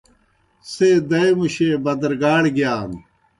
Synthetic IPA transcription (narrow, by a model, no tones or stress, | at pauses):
seːd̪ɐjmuɕeːbɐd̪ɾɡaːɽɡjaːn